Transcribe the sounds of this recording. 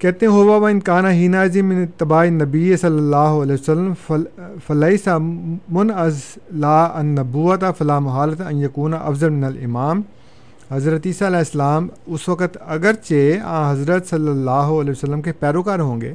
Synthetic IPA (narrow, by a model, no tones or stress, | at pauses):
kɛːt̪ẽɦoːʋaːʋaɪnkaːnaɦiːnaːzimɪnɪt̪ːɪbaːinɐbijsɐlːɐlːaːɦoɐlɛːsɐlːəmfɐlɐisamʊnɐzlaːɐnːɐbuːɐt̪afɐlaːmʊɦaːlɐt̪aɐnjɐkuːnaʔɐ̰fzɐlmɪnɐlɪ̰maːm | hɐzɾət̪iːsaːɐlɛːɪsɐlaːmʊsʋɐkət̪ɐɡəɾt͡ʃeã̰ːɦɐzɾət̪sɐlːɐlːaːɦoɐlːwsɐlːəmkʰepɛːɾoːkaːɾɦõːŋɡeː